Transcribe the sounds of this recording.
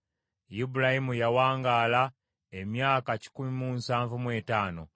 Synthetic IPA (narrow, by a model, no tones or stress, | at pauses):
jibulahimujawaːŋɡaːla | emjaːkaci̥kumimuːnsaːɱvumwe̞ːtaːno̞̰